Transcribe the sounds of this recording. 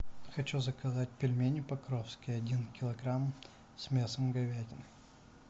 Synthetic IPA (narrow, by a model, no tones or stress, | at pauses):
xɐt͡ɕuzəkɐzat̚ʲpʲɪlʲmʲenʲɪpɐkɾofskʲɪjɐdʲinkʲɪlˠɐɡɾam | smʲesəmɡɐvʲædʲɪnɨ